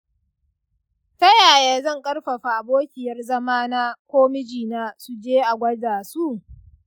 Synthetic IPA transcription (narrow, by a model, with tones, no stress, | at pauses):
tɐ˦jaː˨jaː˨zɐ˦˨ŋkʼɐ˦rɸɐ˨ɸa˨boː˦kʲɪ˨jɐ˦rzɐ˦maː˦naː˦kʷoː˦mɪ˦d͡ʒiː˨naː˦su˨d͡ʒeː˦ʔa˨ɡʷɐ˦daː˨su˦